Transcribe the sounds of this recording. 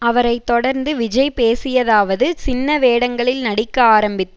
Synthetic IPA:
ɐʋɐɾɐɪt̪ːɔɽɐɾnd̪ɯʋɪd͡ʒɐɪpeːsɪjɐðaːʋɐðɯt͡ʃɪnːɐʋeːɽɐŋɡɐɭɪlnɐɽɪkːɐaːɾɐmbɪt̪ː

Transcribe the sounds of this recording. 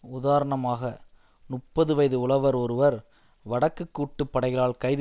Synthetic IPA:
ʊðaːɾɐɳɐmaːɣɐ | nʊʈppːɐðɯʋɐjðɯʊɭɐʋɐɾɔɾɯʋɐɾ | ʋɐɽɐkːɯkːuːʈːɯpːɐɽɐɪɐɭaːɭkɐɪð

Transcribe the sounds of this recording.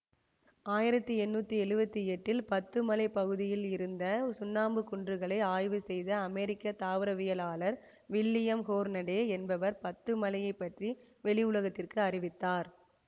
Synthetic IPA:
aːjɪɾɐt̪ːɯɛnːuːt̪ːiɛɻɯbɐt̪ːiɛʈːɪlpɐt̪ːɯmɐlɐɪpɐɣɯðɪjɪlɪɾɯnd̪ɐsʊnːaːmbɯkʊɳdrɯɣɐɭɐɪaːjʋɯsɛjðɐːmɛːɾɪkːɐt̪aːʋɯɾɐʋɪjɐlaːɭɐɾ | ʋɪlːɪjɐmhoːɾnɐɽeːɛnbɐʋɐɾpɐt̪ːɯmɐlɐjɐɪpːɐʈri | ʋɛɭɪjʊɭɐɣɐt̪ːɪrkɯɐrɪʋɪt̪ːaːɾ

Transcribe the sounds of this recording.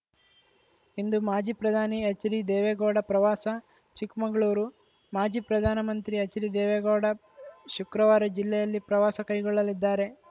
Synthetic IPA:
ind̪umaːd͡ʒiːpɾɐd̪ʱaːniɐt͡ʃːɐɾid̪ɛːʋeɡoːɽɐpɾɐʋaːsɐ | t͡ʃikmɐŋɡɐɭuːɾu | maːd͡ʒiːpɾɐd̪ʱaːnɐmɐnt̪ɾiɐt͡ʃɐɾid̪ɛːʋeɡoːɽɐ | ʃukɾɐʋaːɾɐd͡ʒilːɛjɐlːipɾɐʋaːsɐkɐjɡɔɭːɐlid̪ːaːɾe̞

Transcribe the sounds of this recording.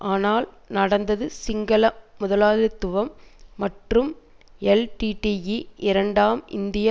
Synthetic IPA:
ʔaːnaːl | nɐɽɐnd̪ɐðɯsɪŋɡɐlɐmʊðɐlaːðɪt̪ːɯʋɐmːɐʈrɯm | ɛlʈiʈijiʔɪɾɐɳɖaːmɪ̰nd̪ɪja

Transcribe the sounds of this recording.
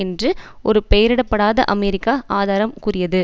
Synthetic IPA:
ɛndrɯ | ɔɾɯpɛjɐɾɪɽɐpːɐɽaːðɐ̰ʔɐmɛɾɪkːaːʔaːðaːɾɐmkʊrɪjɐðɯ

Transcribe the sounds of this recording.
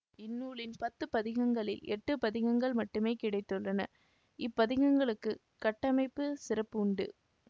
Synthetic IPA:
ɪnːuːɭɪnpɐt̪ːɯpɐðɪɣɐŋɡɐɭɪlɛʈːɯpɐðɪɣɐŋɡɐɭmɐʈːɯmeːkɪɽɐɪt̪ːɯɭːɐnɐ̰ | ɪpːɐðɪɣɐŋɡɐɭɯkːɯ | kɐʈːɐmɐɪpːɯsɪrɐpːʊɳɖɯ̰

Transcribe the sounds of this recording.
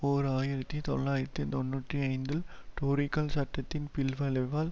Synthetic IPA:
poːɾaːjɪɾɐt̪ːit̪ɔɭːaːjɪɾɐt̪ːit̪ɔnːuːʈriɐɪnd̪ɪlʈoːɾɪkːɐlsɐʈːɐt̪ːɪnpɪlʋɐlɐʋaːl

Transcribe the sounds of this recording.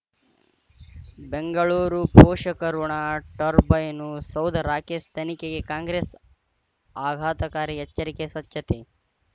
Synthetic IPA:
beŋɡɐɭuːɾupoːʂɐkɐɾuɳaːʈɐɾbɐjnusɐwd̪ʱɐɾaːkeːst̪ʰɐnikeɡekaːŋɡɾeːs | aːɡʱaːt̪ɐkaːɾiet͡ʃːɐɾikesʋɐt͡ʃːɐt̪e

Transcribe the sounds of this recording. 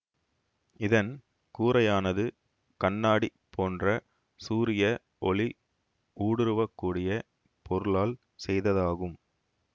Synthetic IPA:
ɪðɐn | kuːɾɐjaːnɐðɯ | kɐɳːaːɽipʰːoːndrɐ | suːɾɪjɐ | ʔɔɭi | ʔuːɽɪɾɯʋɐkːuːɽɪjɐ | pʰɔɾɯlaːl | sɛjðɐðaːɣɯm

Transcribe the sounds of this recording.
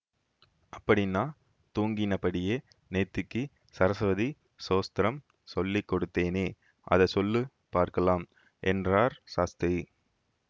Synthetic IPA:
ɐpːɐɽɪnːaː | t̪uːŋɡɪnɐpɐɽɪjeː | nɛt̪ːɯkːɯ | sɐɾɐsʋɐði | soːst̪ɾɐm | sɔlːikːɔɽɯt̪ːeːneː | ʔɐ̰ðɐsɔlːɯ | paːɾkɐlaːm | ʔɛndraːɾsaːst̪ɐ

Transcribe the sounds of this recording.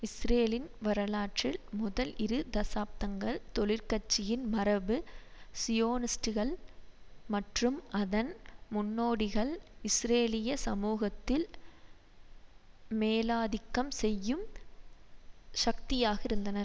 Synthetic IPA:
ɪsɾeːlɪnʋɐɾɐlaːʈrɪlmʊðɐlɪɾɯd̪ɐsaːp̚t̪ɐŋɡɐɭt̪ɔɭɪɾkɐt͡ʃːɪjɪnmɐɾɐbɯsɪjoːnɪsʈɯɣɐɭ | mɐʈrɯmɐðɐnmʊnːoːɽɪɣɐɭɪsɾeːlɪjɐsɐmuːɣɐt̪ːɪl | meːlaːðɪkːɐmsɛjːɯm | ʃɐk̚t̪ɪjaːɣɪɾɯnd̪ɐnɐɾ

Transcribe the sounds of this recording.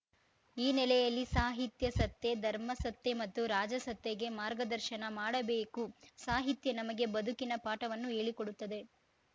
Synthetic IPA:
iːnɛlɛjɐlːisaːɦit̪jɐsɐt̪ːe̞d̪ʱɐɾmɐsɐt̪ːe̞mɐt̪ːuɾaːd͡ʒɐsɐt̪ːeɡe̞maːɾɡɐd̪ɐɾʃɐnɐmaːɽɐbeːkusaːɦit̪jɐnɐmɐɡe̞bɐd̪ʱukinɐpaːʈɐʋɐnːue̞ːɭikoɽut̪ːɐd̪e̞

